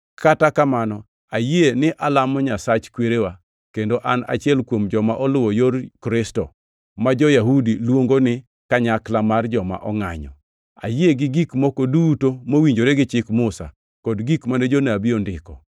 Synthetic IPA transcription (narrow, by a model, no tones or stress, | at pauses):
katakamanɔ | ajenɪʔalamɔɲasat͡ʃkweɾewa | kendoʔana̰t͡ʃɪɛlkwomd͡ʒɔmaʔɔlʊwɔjoɾkɾɪstɔ | mad͡ʒɔjaɦudilwoŋɡonɪ | kaɲaklamard͡ʒɔma̰ʔɔŋa̰ɲɔ̰ | a̰jieɡɪɡikmɔkodutomowiɲd͡ʒoɾeɡɪt͡ʃɪkmʊsa̰ | kɔdɡikmaned͡ʒoneabɪondɪkɔ